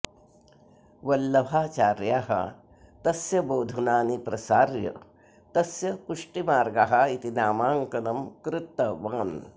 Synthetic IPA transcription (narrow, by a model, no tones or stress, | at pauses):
ʋɐlːɐʋʱaːt͡ʃaːɾjaːɦɐ̰ | t̪ɐsjɐboːd̪ʱɐnaːnipɾɐsaːɾjɐ̰ | t̪ɐsjɐpuʂʈimaːɾɡaɦɐit̪inaːmaːŋkɐnɐmkɾɪt̪ːɐʋɐŋɐn